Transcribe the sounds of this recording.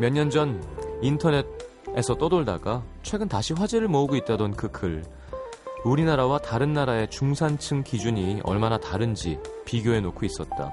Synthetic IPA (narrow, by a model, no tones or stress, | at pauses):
mjʌnɲːʌnd͡ʑʌnintʰʌne̞t̚ | e̞sʰʌt͈ʌdoɭda̰ɡat͡ɕʰwe̞ɡɯntaɕʰiɸwad͡ʑeɾɯɭmʌuɡoit̚t͈adʌnkɯkʰɯɭ | uɾinaɾawataɾɯnːaɾae̞t͡ɕuŋsʰant͡ɕʰɯŋkid͡ʑuɲiʌ̰ɭmanataɾɯnd͡ʑipiɡjoe̞nokʰois͈ʌt̚t͈a̰